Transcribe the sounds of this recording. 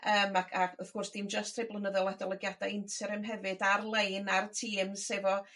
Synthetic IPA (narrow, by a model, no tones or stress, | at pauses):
əːmakʰakʊθɡ̥ʊrsd̥imd͡ʒəstʰrejblˠənəðɔlˠɛdɔlˠɛɡjadajɪntʰɛɾɛmɦɛvɨdarlˠejnartʰiːmsevɔ